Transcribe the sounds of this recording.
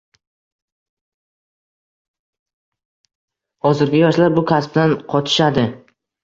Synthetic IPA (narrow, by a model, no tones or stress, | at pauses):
hɒzɪɾɡʲɪjɒʃlaɾbʊkʰʲasp̚d̪anqʰɒt̪ʰɪ̥ʃad̪ɪ